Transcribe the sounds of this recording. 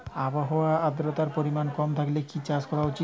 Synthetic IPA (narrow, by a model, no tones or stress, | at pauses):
abaɦoaad̪ɾot̪aɾpoɾimankɔmt̪ʰaklekit͡ɕad͡ʑkɔɾaot͡ɕi